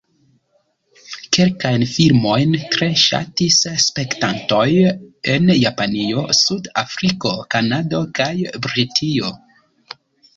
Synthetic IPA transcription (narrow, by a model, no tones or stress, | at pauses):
ke̞lkajnfilmo̞jntɾe̞ʃa̰tisspe̞ktanto̞je̞njapanio̞sudafɾiko̞kanado̞kajbɾitʰio̞